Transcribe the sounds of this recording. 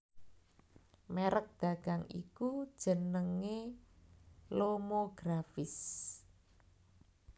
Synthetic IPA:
meɾək̚d̪̥a̤ɡ̥a̤ŋḭkud̥ʒ̥ə̤nəŋe | lomoɡ̥ɾafɪs

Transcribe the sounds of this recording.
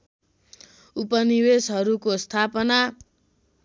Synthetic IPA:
upʌniwesɦʌɾukost̪ʰapʌna

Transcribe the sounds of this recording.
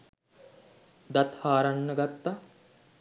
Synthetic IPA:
d̪ɐt̪haːɾɐɳːɐɡɐt̪ːɐ

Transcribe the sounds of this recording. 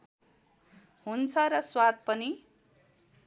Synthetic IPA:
ɦunt͡sʰʌɾʌswad̪̚pʌni

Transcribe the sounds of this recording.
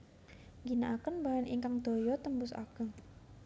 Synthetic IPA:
ŋɡinaʔakənbaɦanʔiŋkaŋd̪̥o̤jɔt̪əmbʊsa̰ɡ̥ə̤ŋ

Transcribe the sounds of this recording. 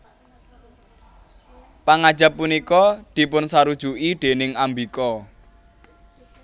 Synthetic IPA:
paŋad̥ʒ̥a̤p̚ːunikɔd̪̥i̤pʊnsaɾud̥ʒ̥ṳʔid̪̥e̤nɪŋambikɔ

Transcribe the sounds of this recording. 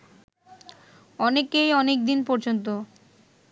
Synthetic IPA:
ɔnekejɔnek̚d̪inpɔɾd͡ʑont̪̬o

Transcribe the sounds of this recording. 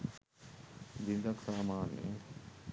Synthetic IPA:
dind̪ɐksaːmaːnːḛ

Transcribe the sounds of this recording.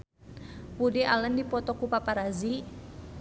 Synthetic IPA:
pudɛʔaləndipɔt̪ɔkupapaɾazi

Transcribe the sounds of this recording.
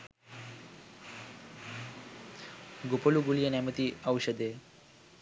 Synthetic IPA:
ɡopoluɡulijənamət̪iːɐwɕəd̪e

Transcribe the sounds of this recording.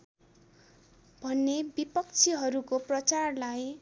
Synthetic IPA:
bʱʌnːebipʌkt͡sʰiɦʌɾukoprʌt͡sarlaj

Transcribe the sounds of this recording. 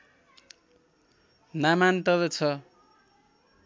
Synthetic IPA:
namant̪ʌβʌt͡sʰʌ

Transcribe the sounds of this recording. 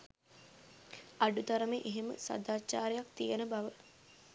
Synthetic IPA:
ɐɖut̪aɾəmeʔeɦemə̰sa̰d̪aːt͡ʃːaːɾejak̚t̪ijenəbaʋə

